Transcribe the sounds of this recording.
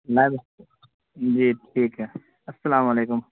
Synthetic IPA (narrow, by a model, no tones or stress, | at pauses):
lajb | d͡ʒiːʈʰiːkɦɛ | ɐsːɐlaːmɐleːkʊm